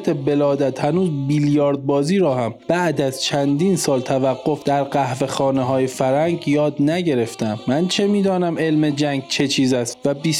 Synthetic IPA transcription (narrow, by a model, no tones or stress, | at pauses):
t̪ʰebe̞lɒːd̪æt̪hænuːzbiljɒːɾd̪̚bɒːziːɾɒːhæmb̥æʔd̪æzt͡ʃʰænd̪iːnsɒːlt̪ʰævæɡːo̞fd̪̥æɾɢæhve̞xɒːneɦɒːjefæɾæŋɡjɒːd̪næɟe̞ɾe̞ft̪æmmænt͡ʃʰe̞miːd̪ɒːnæme̞lme̞d͡ʒæŋɡ̚t͡ʃʰe̞t͡ʃʰiːzæst̪væbiːs